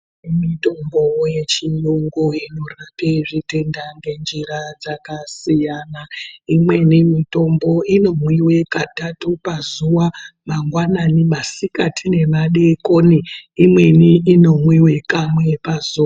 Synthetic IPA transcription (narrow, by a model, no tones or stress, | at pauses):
imito̞mbowje̞t͡ʃijoŋɡoino̞rapeʐite̞ndaŋɡe̞nd͡ʒirad͡zakasijaːnaimwe̞nimito̞mbo̞ino̞mwiwe̞katatupazuwamaŋɡwananimasikatʰine̞maɗe̞koniimwe̞niino̞mwiwe̞kamwe̞pazua